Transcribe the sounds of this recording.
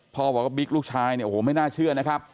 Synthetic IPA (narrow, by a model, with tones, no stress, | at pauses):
pʰɔː˧baː˨˩kwa˥˩bi˦˥k̚luː˥˩k̚t͡ɕʰaː˧jni˥˩˨ʔoː˨˩˦ma˥˩jnaː˥˩t͡ɕʰɯ˥˩ɐna˦˥kʰa˦˥p̚